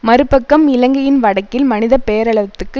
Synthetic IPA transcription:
mɐɾɯpːɐkːɐmɪlɐŋɡɐjɪnʋɐɽɐkːɪlmɐnɪðɐpejɐɾɐɭɐt̪ːɯkːɯ

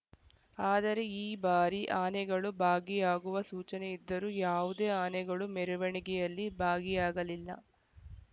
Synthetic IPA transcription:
aːd̪ɐɾe̞iːbaːɾiʔaːnɛɡɐɭubʱaːɡijaːɡuʋɐsuːt͡ʃɐnɛid̪ːɐɾuːjaːʋud̪eːaːnɛɡɐɭumɛɾuʋɐɳiɡɛjɐlːibʱaːɡijaːɡɐlilːɐ̰

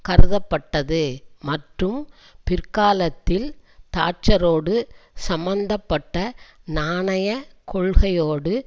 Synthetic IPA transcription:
kɐɾɯðɐpːɐʈːɐðɯmɐʈrɯm | pɪɾkaːlɐt̪ːɪlt̪aːʈ̚t͡ʃɐɾoːɽɯsɐmbɐnd̪ɐpːɐʈːɐnaːɳɐjɐkɔɭɣɐjoːɽɯ

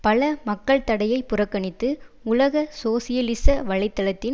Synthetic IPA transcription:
pɐlɐmɐkːɐɭt̪ɐɽɐjɐɪpʊrɐkːɐɳɪt̪ːɯ | ʊlɐɣɐsoːsɪjɐlɪsɐʋɐɭɐɪt̪ːɐlɐt̪ːɪn

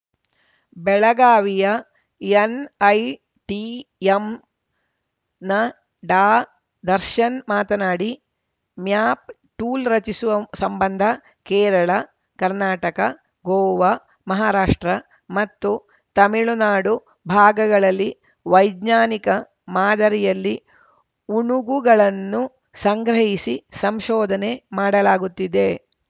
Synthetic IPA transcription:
bɛɭɐɡaːʋijɐ | jenɐj | ʈiem | nɐ | ɖaː | d̪ɐɾʃɐnmaːt̪ɐnaːɽi | mjaːp̚ | ʈuːlɾɐt͡ʃisuʋɐsɐmbɐnd̪ʱɐ | kɛːɾɐɭɐ | kɐɾnaːʈɐkɐ | ɡoːʋɐ | mɐɦaːɾaːʂʈɾɐ | mɐt̪ːu | t̪ɐmiɭunaːɽu | bʱaːɡɐɡɐɭɐlːi | ʋɐjd̪naːnikɐ | maːd̪ɐɾijɐlːi | uɳuɡuɡɐɭɐnːu | sɐŋɡɾɐɦisisɐmʃɔːd̪ʱɐne̞maːɽɐlaːɡut̪ːid̪e̞

